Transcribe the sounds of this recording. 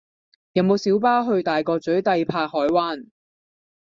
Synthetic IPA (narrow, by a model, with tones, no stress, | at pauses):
jɐ˨˧nmo˨˧wsiː˨˥wpaː˥wɦɵ˧ɥt̪aː˨jkɔː˧t͡sɵ˨˥ɥt̪ɐ˧jpʰaː˧hɔː˨˥jwaː˥n